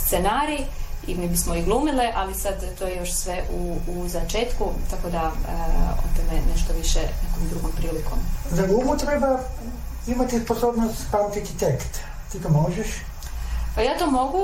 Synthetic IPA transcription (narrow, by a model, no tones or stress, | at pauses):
st̪senaːɾiḭmibismoiɡlˠuːmiliʔalisad̪t̪ojejo̞ʃsʋeʔuːzat͡ʃeːt̪kut̪ako̞d̪a | o̰t̪emeneʃt̪oʋiʃḛnekomd̪ɾuɡompɾiːliko̰mzalʲuːbut̪ɾeba | imat̪isposoːbnost̪pant̪it̪it̪ekt̪ | t̪ikamoʒeʃ | pajaːt̪omo̞ɡu